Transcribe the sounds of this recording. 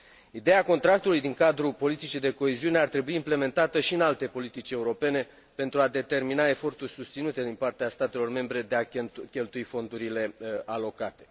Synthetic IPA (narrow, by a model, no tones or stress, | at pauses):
id̪e̞ako̞nt̪ɾak̚t̪ulujd̪iŋkad̪ɾupo̞lit̪it͡ʃid̪e̞ko̞eziune̞art̪ɾe̞buiːmple̞me̞nt̪at̪əʃiɨnalt̪e̞po̞lit̪it͡ʃʲe̞uɾo̞pe̞ne̞ | pe̞nt̪ɾuad̪e̞t̪e̞rminae̞fo̞rt̪urʲsust̪sinut̪e̞d̪inpart̪east̪at̪e̞lo̞rme̞mbɾe̞d̪e̞akʲe̞lt̪uifo̞nd̪uɾile̞ʔalo̞kat̪e̞̥